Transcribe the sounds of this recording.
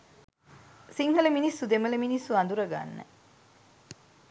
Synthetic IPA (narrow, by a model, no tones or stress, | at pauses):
siŋhəleminisːud̪eməleminisːuand̪uɾɐɡa̰nːə̰